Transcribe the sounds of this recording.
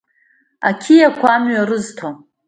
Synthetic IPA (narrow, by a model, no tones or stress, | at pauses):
a̰kʲʰijakʷʰaamɥaɾɨztʰo